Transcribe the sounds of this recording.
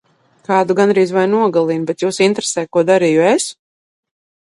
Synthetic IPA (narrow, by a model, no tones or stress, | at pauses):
kaːd̪uɡanɾiːzvajnuɔɡalˠinbɛt̪juːsint̪ɾesɛːjkuɔd̪aɾiːjues